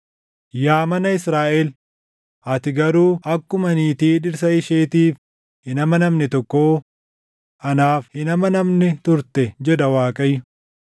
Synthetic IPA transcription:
jaːmɐnɐɪsɾaːʔɛl | ɐt̪ɪɡɐɾuːʔɐkːʊmɐniːt̪iːᶑɪɾs̬ɐɪʃeːt̪iːf | hɪnɐmɐnɐmnɪt̪ɔkːoː | ʔɐnaːfhɪnɐmɐnɐmnɛt̪ʊɾt̪ɛd͡ʒɛᶑ̪ɐwaːkʼɐjʊ

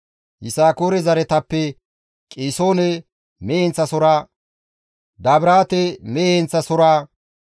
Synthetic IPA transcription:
hɪsaːkoːɾɛzɐɾɛt̪ɐpːɛ | kʼeːsoːnɛ | mehɛnt͡sːɐsɔɾaː | d̪aːbɾaːt̪ɛmeɛnt͡sːɐsɔɾaː

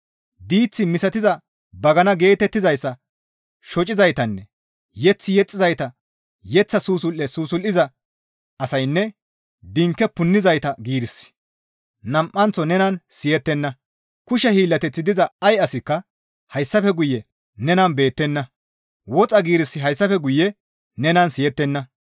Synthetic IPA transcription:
d̪iːt͡sːɪmɪsɐt̪ɪzɐ | bɐɡɐnɐɡe̞ːt̪ɛt̪ːɪzɐjsːɐ | ʃɔt͡ʃʼɪzɐjt̪ɐnːɛ | jɛt͡sːɪjɛt͡sʼːɪzɐjt̪ɐ | jɛt͡sːɐsuːsʊlʔɛsuːsʊlːɪzɐ | ɐsɐjnːɛ | d̪ɪŋkːɛpʊnːɪzɐjt̪ɐɡiːɾɪsːɪ̥ | nɐmʔːɐnt͡sːɔnɛnɐnsɪjɛt̪ːɛnːɐ | kʊʃɛhiːlːɐt̪ɛt͡sːɪd̪ɪzɐɐjɐsɪkːɐ | hɐjsːɐfɛɡʊjːɛ | nɛnɐnbe̞ːt̪ːɛnːɐ | wɔt͡sʼɐɡiːɾɪsːɪɦɐjsːɐfɛɡʊjːɛ | nɛnɐnsɪjɛt̪ːɛnːɐ

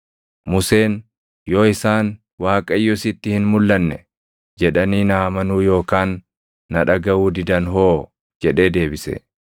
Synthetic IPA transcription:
mʊse̞ːn | jo̞ːɪsaːn | waːkʼɐjːʊsɪt̪ːɪhɪnmʊlːɐnːɛ | d͡ʒɛᶑɐniːnaːmɐnuːjo̞ːkaːnː | ɐᶑɐɡɐwuːd̪ɪd̪ɐnɦo̞ː | d͡ʒɛᶑe̞ːd̪e̞ːbɪsɛ̰

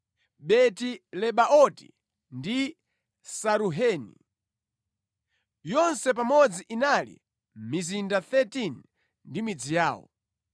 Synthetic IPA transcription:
ɓɛtilɛɓaʔɔtḭ | ndi | saɾuɦɛnḭ | jɔnsɛp̬amɔd͡ziʔinalḭ | mizindaθɛtin | ndimid͡zijaːwɔ̰

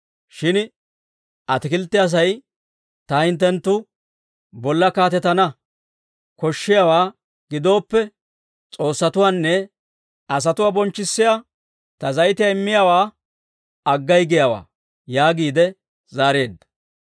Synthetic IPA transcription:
ʃɪn | ʔɐt̪ɪkɪlt̪ːɪɐs̬ɐj | t̪ɐhɪnt̪ːɛnt̪ːʊ | bɔlːɐkaːt̪ɛt̪ɐnɐ | kɔʃːɪjawaː | ɡ̥ɪd̪o̞ːpːɛ | t͡sʼo̞ːsːɐt̪ʊwaːnːɛ | ɐs̬ɐt̪ʊwaːbɔnt͡ʃːɪsːɪja | t̪ɐzɐjt̪ɪjaɪmːɪjawaː | ɐɡːɐjɡɪjawa̰ː | jaːɡiːd̪ɛ | zaːɾeːd̪ːɐ̥

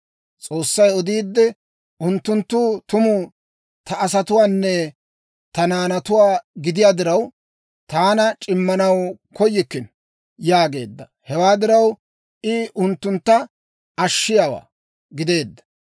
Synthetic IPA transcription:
t͡sʼo̞ːsːɐjɔd̪iːd̪ːɛ | ʔʊnt̪ːʊnt̪ːuːt̪ʊmuː | t̪ɐʔːsɐt̪ʊwaːnːɛ | t̪ɐnaːnɐt̪ʊwaːɡɪd̪ɪjaːd̪ɪɾɐw | t̪aːnɐt͡ʃʼɪmːɐnɐwkɔjːɪkːɪn | jaːɡe̞ːd̪ːɐ | hɛwaːd̪ɪɾɐw | ʔɪʔʊnt̪ːʊnt̪ːɐ | ɐʃːɪjaːwa̰ː | ɡɪd̪e̞ːd̪ːɐ̥

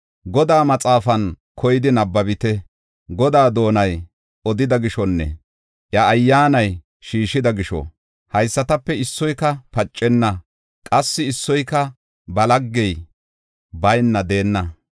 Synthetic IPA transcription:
ɡɔd̪aːmɐt͡sʼaːfɐn | kʰɔjɪd̪ɪnɐbːɐbɪt̪ɛ | ɡɔd̪aːd̪o̞ːnɐj | ɔd̪ɪd̪ɐɡɪʃɔnːɛ̰ | ʔjɐːjːaːnɐj | ʃiːʃɪd̪ɐɡɪʃɔ̰ | hɐjsːɐt̪ɐpːɛɪsːɔjkɐpɐt͡ʃʼːɛnːɐ | kʼɐsːɪɪsːɔjkɐ | bɐlɐɡːɛj | bɐjnːɐd̪e̞ːnːɐ

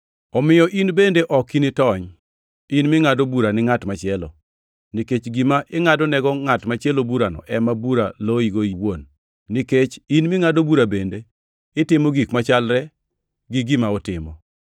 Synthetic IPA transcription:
ɔmɪjɔʔinbendeʔɔkinɪtɔɲ | inmɪŋadobuɾanɪŋatmat͡ʃɪɛlɔ̰ | niket͡ʃɡimaʔɪŋadɔnɛɡɔŋatmat͡ʃjɛlobuɾanɔ̰ʔɛmabuɾaloiɡoiwonː | iket͡ʃinmɪŋadobuɾabende | ɪtɪmoɡikmat͡ʃalɾɛ | ɡɪɡɪmaɔtɪmɔ̰

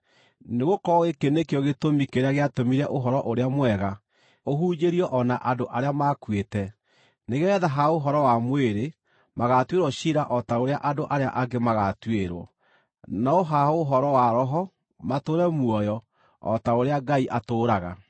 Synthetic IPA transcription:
neɣokɔɣekenekeɔɣetomikeɾeaɣeatomiɾɛʔoɦɔɾɔʔoɾeamwɛɣa | oɦuːd͡ʒeɾiɔʔɔnaʔadoʔaɾeamakwetɛ | neɣɛːðaɦaoɦɔɾɔwamweɾe | maɣatweɾwɔɕiɾaʔɔtaoɾeaʔadoʔaɾeaʔaɡemaɣatweɾwɔ̰ | naoɦaoɦɔɾɔwaɾɔɦɔ | matoɾɛmwɔjɔ | ɔ̰taoɾeaɡaiʔatoːɾaɣa

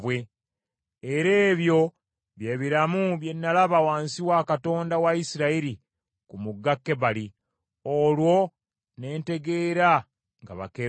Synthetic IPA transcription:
βwe̞ | eɾe̞ːβjo̞ | βje̞ːβiɾamuβje̞nːalaβawaːnsiwakato̞ːndawaisiɾaiɾi | kumuɡːakːe̞βali | olwo̞ | ne̞ːnte̞ɡe̞ːɾa | ŋɡa̰βa̰ke

